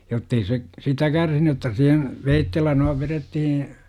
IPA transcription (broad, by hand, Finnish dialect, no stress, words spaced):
jotːei se sitæ kærsiny otːɑ sihen ʋeitːelːæ noiʋ ʋeretːihĩː